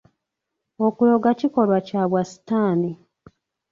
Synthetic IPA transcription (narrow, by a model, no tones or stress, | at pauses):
okujoɡaciko̞lwacaβwasi̥taːni